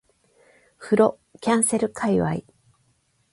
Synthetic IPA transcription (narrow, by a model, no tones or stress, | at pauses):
ɸɯ̟ɾo̞ | kʲãɰ̃se̞ɾɯ̟kʰaiβa̰i